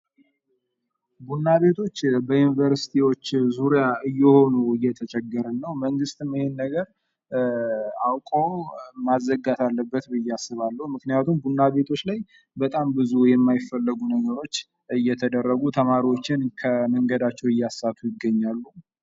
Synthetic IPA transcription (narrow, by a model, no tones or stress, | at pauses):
bunːaβe̞t̪ʰo̞t͡ʃːbəjunivəɾsi̥t̪ʰiwo̞t͡ʃːzuɾjaɨjːɛho̞nuɨjːɛt̪ʰət͡ʃʼɛɡːəɾənːəwməŋɡɨst̪ɨmɪhennəɡəɾ | awkʼowmazːəɡat̪ʰalːəbːət̪bɨjːasːɨβalːəhumɨknijat̪ʰumbunːaβe̞t̪ʰo̞t͡ʃːlaj | bət̪ʼambɨzujɛmːajɪfːəlːɨɡunəɡəɾo̞t͡ʃː | ɨjːɛt̪ʰəd̪ərːəɡut̪ʰəmaɾiwo̞t͡ʃːɪnkʰəməŋɡəd̪at͡ʃːɛwɨjːasːat̪ʰujɪɡːəɲːalːu